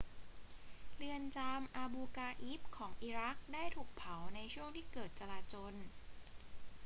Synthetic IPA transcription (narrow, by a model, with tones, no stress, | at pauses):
lɯ˧ənt͡ɕaː˧mʔaː˧buː˧kaː˧ʔi˦˥p̚kʰɔː˩˦ŋʔiː˧ɾa˦˥k̚daː˥˩jt̪ʰuː˨˩k̚pʰa˩˦wna˧jt͡ɕʰu˥˩əŋt̪ʰiː˥˩kɤː˨˩t̪̚t͡ɕa˧laː˧t͡ɕoː˧n